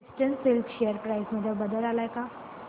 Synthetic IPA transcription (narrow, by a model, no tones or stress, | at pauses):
sʈənsɪlpʃejəɾpɾajsməd̪ʱjabəd̪əlalajka